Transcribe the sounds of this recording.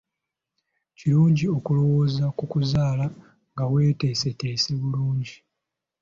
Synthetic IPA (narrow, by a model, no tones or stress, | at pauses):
ciɾuːɲɟio̞kulo̞wo̞ːzakukuzaːla | ŋɡawe̞ːte̞ːse̞te̞ːse̞βuluːɲɟi